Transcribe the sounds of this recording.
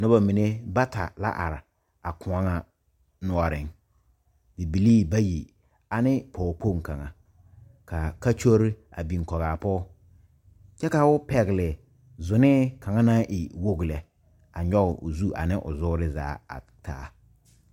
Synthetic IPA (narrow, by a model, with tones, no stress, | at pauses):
nʊ˦ba˨mi˨ne˦ba˦ta̰˨la̰˦ʔa̰˨ɾɪ˨ | a˨kʊ˨a˦ŋa˨ | nʊ˦ɔ˦ɾɪ˨ŋ | dɪ˨bi˨liː˦ba˦ji˨ | a˨nɪ˦pɔː˨po˦˨ŋ˨ka˨ŋa˨ | ka˨ka˦t͡ʃo˦ɾɪ˦a̰˨bi˨ŋ˨kɔ˨ɣaː˨pɔ˦ | t͡ʃɛ˦ka˨ʊ˦pɛ˨ɣɪ˨lɪ˨ | zʊ˨nɪ˦ka˨ŋa˦na˦ʔɪ˨wo˦ɡlɛ˨ | a˨ɲɔ˦ɣɪ˨ʔʊ̰˨zu˦ʔa̰˨nɪ˦ʔʊ̰˨zʊ˦ɾɪ˦za̰ː˨˦a̰˨ | taː˦